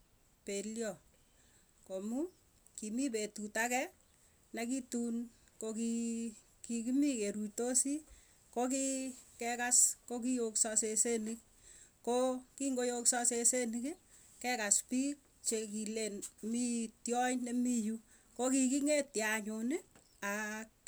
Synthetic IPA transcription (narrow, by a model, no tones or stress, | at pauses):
peljɔ | komu | kimipetutakɛ | nakitun | koki | kikimikeɾutosi | kokikɛkaskok̬ijokssesenik̚ | kokiŋɡojoksɔsesenik | kɛkaspik̚ | t͡ʃekilenmitjɔjnemiju | kokikiŋetjaɲʊnɪ | ak̚